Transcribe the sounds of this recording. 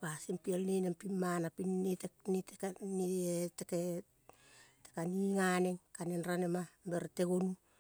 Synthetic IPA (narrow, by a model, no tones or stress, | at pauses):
pasimpialnenempimːanapinːetenetekaniteke | te̥kaniŋaneŋkanenɾanemambeɾteɡonu